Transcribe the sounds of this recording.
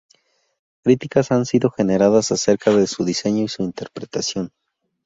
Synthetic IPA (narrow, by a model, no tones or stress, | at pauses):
kɾit̪ikasansiðo̞xe̞ne̞ɾaðasase̞ɾkaðe̞suðise̞ɲo̞isuint̪e̞ɾpɾe̞t̪asjo̞n